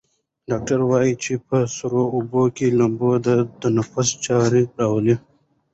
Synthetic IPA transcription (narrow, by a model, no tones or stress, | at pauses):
ɖɑːk̚ʈaɾwɑːjit͡ʃepəsuɾoʊbokelambod̪ət̪anafʊst͡ʃɑɾiɾɑwəli